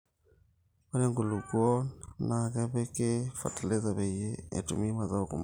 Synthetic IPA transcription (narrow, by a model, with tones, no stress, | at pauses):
ba˦le˦ŋɡu˨lu˨ɡwɔ˦na˨ke˦βe˦ke˦fa̰˨ta˨le˦za˨βe˨je˦ḛ˨tṵ˨mi˦ma˨za˦o˨kṵ˨m